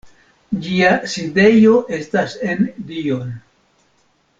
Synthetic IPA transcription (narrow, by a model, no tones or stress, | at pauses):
d͡ʒiaside̞jo̞ʔe̞stase̞ndio̞n